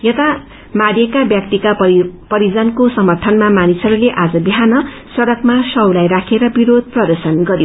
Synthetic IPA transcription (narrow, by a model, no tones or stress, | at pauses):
jʌt̪a | maɽjekabjak̚t̪ikapʌɾid͡zʌnkosʌmʌrt̪ʰʌnmamanisʌɾuleʔad͡zʌbiɦanʌ | sʌɾʌkmasʌwlajrakʰeɾʌbiɾod̪̚ʱprʌd̪ʌrsʌnɡʌɾijo